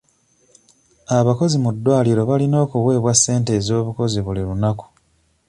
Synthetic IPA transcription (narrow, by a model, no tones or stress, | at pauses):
aβako̞zimudːwaːliɾo̞βalino̞ːkuwe̞ːβwasːe̞ːnte̞ːzo̞ːβuko̞ziβuliɾunaku̥